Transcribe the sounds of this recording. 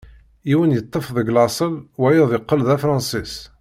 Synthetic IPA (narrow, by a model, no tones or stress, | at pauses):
iwənjət̪ˤːəfðəɡlɑsˤəlwæjəðˤɪqːəlðæfɾˤɑnsis